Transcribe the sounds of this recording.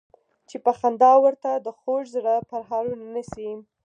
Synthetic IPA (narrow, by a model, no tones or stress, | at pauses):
t͡ʃepaxand̪ɑwəɾt̪ad̪əxoʒzɽapaɾɦɑɾunanəsi